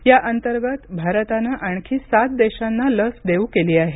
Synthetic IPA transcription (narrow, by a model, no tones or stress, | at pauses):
jaʔənt̪əɾɡət̪bʱaɾət̪anaʔaɳ̃kʰiːsat̪̚d̪eɕanːaləsd̪eukeliːaɦe